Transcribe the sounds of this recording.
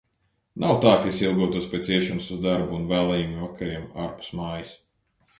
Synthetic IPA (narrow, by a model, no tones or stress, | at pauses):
nawt̪aːkasilˠɡɔt̪uɔspʲɛt̪siɛʃanusuzd̪aɾbuːnvæːlˠɛjumuvakaɾiɛmaɾpu̥smaːjis